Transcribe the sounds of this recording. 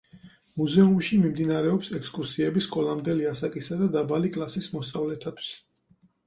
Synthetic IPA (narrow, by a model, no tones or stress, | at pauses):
muzɛumʃimimd̪inaɾɛɔpsɛkskʼuɾsiɛbiskʼɔlˠamd̪ɛliasakʼisad̪ad̪abalikʼlˠasismɔst̪ʼavlɛt̪ʰat̪ʰi̥s